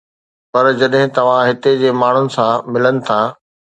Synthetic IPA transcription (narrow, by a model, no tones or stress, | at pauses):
pɐɾd͡ʑɐɗɦɪ̃t̪ɐʋ̤ãɦɪt̪ed͡ʑeːmaːɳ̤ʊnɪ̆sãmɪlənɪ̆t̪ʰaː